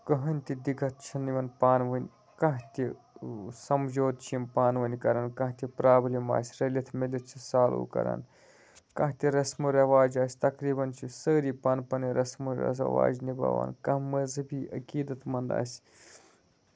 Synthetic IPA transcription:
kɐɦɐnʲt̪ʲid̪iɡɐt̪̚ʰt͡ʃʰiniʋɐnpaːnʋənʲ | kɐ̃ɦt̪ʲi | sɐmd͡ʒoːd̪̚t͡ʃʰimpaːnʋɐnʲkɐɾɐnkɐ̃ɦt̪ʲipɾaːblima̰ːsʲɾɐlʲit̪ʰmilit͡ʃʰisaːlṵːkɐ̰ɾa̰ːn | kɐ̃ɦt̪ʲiɾɐsmuɾʲɐʋaːd͡ʒaːsʲt̪ɐkɾiːbɐnt͡ʃʰisəːɾiːpɐnpɐniɾɐsmuɾʲɐ̰s̬ɐ̰ʋa̰ːd͡ʒnibɐ̰ːʋa̰ːnkɐ̃ɦmɐzɐbiːʔɐ̰kiːd̪ɐt̪mɐnd̪a̰ːsʲ

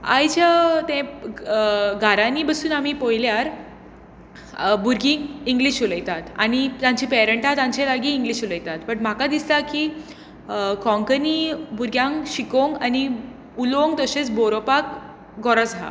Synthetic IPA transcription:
a̰jt͡ɕat̪ɛ̃ | ɡʱaɾanibəsuːnamiːpojljaɾ | buɾɡĩːŋɡliɕuləjt̪at̪a̰ñit̪jãɲt͡ɕiːpɛɾəɳʈat̪ãɲt͡ɕelaɡiːŋɡliɕuləjt̪at̪pəɳm̤akad̪islaki | kɔ̃ŋkəniːbuɾɡjãŋɕikoŋɡani | uloŋɡt̪əɕet͡sboɾopak | ɡɔɾət͡sɦa̰

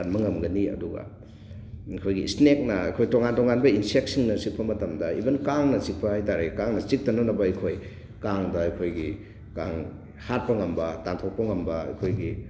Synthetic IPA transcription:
anmɐŋɐmɡɐniɐ̰duɡɐ̰ | ɐjkʰojɡḭsnek̚nɐɐ̰jkʰojtoŋantoŋanbɐinsek̚siŋnɐsik̚pʰɐmɐtɐmdɐḭbɐnkaŋnɐt͡ʃik̚pɐhajtaɾekaŋnɐt͡ʃik̚tɐnɐnɐbɐɐjkʰoj | kaŋdɐɐjkʰojɡi | kaŋ | hat̚pɐŋɐmbɐtantʰok̚pɐŋɐmbɐɐ̰jkʰojɡi

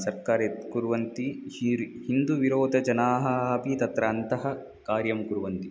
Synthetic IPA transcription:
sɐɾkaːɾekuɾʋɐnt̪i | hind̪uʋiɾoːd̪ʱɐd͡ʒɐnaːɦɐpit̪ɐt̪ɾaːnt̪ɐɦɐ̆ | kaːɾjɐmkuɾuʋɐnt̪i

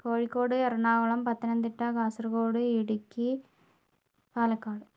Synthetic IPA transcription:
poːɻikːoːɽɨerɐɳaːɣɐɭɐmpɐt̪ːɐnɐnd̪iʈːakaːsɐrkoːɽɨiɽukʲːi | paːlɐkːaːɽɨ

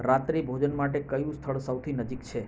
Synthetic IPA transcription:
ɾat̪ɾibʱod͡ʒənmaʈ̬ekəjũst̪ʰəɭsəwt̪ʰinəd͡ʒikt͡ʃʰe

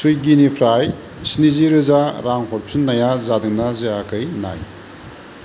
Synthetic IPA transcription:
sujɡinipʰɾaj | siniziɾɯzaɾaŋɦoɾpsunːɐjazadɯŋnɐzeakɐjna̰j

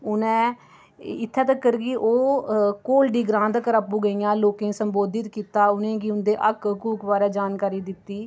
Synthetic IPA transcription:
ʊnẽː | ɪt̪ʰːɛːt̪əkːəɾɡiːʔoːkoːlɖiːɡɾãːnd̪kəɾapːuːɡəiːãːloːkẽːsəmboːd̪ɪt̪kiːt̪aːʊnẽːɡiːʊnd̪eːʔəkkuːkbaːɾeːd͡ʒaːnkaːɾiːd̪ɪt̪ːiː

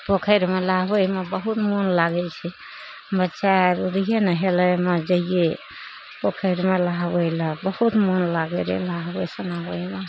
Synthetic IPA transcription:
pokʰəjɾmelaɦbəjmebəɦut̪monlaɡɛt͡ʃʰɛ | mətːʃaɾuɾiɦenəɦeləmed͡ʒəije | pokʰəjɾmelaɦbəjləbəhut̪monlaɡɛlḛlaɦbəsənaɦəime

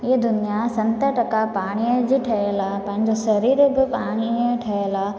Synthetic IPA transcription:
ɪɦd̪ʊnijasɐ̃nt̪əʈɐkapaːɽ̃iəd͡ʑiʈʰɐelapɐ̃ɦɪ̃ɲd͡ʑosɐɾiːɾbɪpaːɽ̃iəʈʰɐɦela

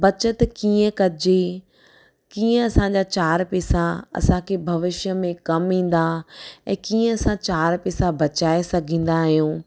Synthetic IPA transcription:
bɐt͡ɕət̪kiːə̃kɐd͡ʑe | kiːə̃ɐsãɲd͡ʑat͡ɕaːɾpeːsaɐ̰sãkʰeːbʱɐʋɪʃjəmẽkɐmĩːn̆d̪aɛ̃ːkiːə̃ɐsãt͡ɕaːɾpɛːsabɐt͡ɕaːesɐɡʱĩːn̆d̪aɦijũː

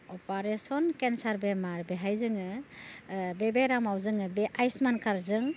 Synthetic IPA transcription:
ɔpaɾesɔnkensaɾbemaɾbeɦajzɯŋɯ | bebeɾamawzɯŋɯbeʔajsmankʰaɾzɯŋ

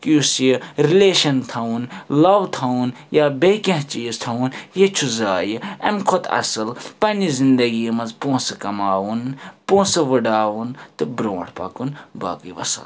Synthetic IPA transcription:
kiusjiɾileːʃɐnt̪ʰɐwunlɐʋt̪ʰɐwun | jaːbekɐ̃ɦt͡ʃiːzt̪ʰɐunjet͡ʃʰuzaːjiɐmkʰot̪ʰɐ̰sɨlpɐnizind̪ɐɡimɐnzpoːsɐkɐmaːwunpõːsɐʋɨɖaːʋunt̪ɨbɾõːʈʰpɐ̰kunba̰ːkiʋɐ̰sɐ̰l

